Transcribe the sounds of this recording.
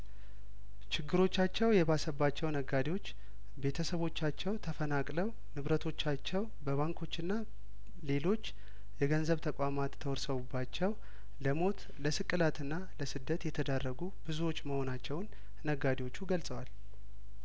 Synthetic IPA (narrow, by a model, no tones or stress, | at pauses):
t͡ʃɪɡːɨɾo̞t͡ʃːat͡ʃːɛwjɛβasəbːat͡ʃːɛwnəɡad̪ewo̞t͡ʃː | be̞t̪ʰəsəβo̞t͡ʃːat͡ʃːɛwt̪ʰəfənakʼləw | nɨβɾət̪ʰo̞t͡ʃːat͡ʃːɛw | bəβaŋkʰo̞t͡ʃːɨnːa | le̞lo̞t͡ʃː | jɛɡənzəβt̪ʰəkʷʼamat̪ʰːəwɔɾsəβubːat͡ʃːɛw | ləmo̞t̪ | ləsɨkʼːɨlat̪ɨnːaləsɨd̪ːət̪jɛt̪ʰəd̪arːəɡubɨzuwo̞t͡ʃːməho̞nat͡ʃːɛwnː | əɡad̪ewo̞t͡ʃːuɡəlsʼəwal